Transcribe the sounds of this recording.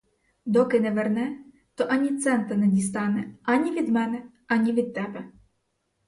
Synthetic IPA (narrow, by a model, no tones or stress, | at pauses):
d̪ɔkɪnɛʋernɛ | t̪ɔʔɐnʲit̪sɛnt̪ɐnɛdʲist̪ɑnɛɐnʲiʋʲid̪mɛnɛ | ɐnʲiʋʲid̪̚t̪ːɛbɛ